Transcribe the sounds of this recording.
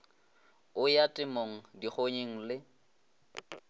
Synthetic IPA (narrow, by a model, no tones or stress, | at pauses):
ʊjatʼɪmoŋ̩diχʰoɲeŋ̩lɪ